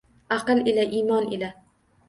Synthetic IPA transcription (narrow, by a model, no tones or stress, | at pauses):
ɑqɨlˠelaʔimɒnela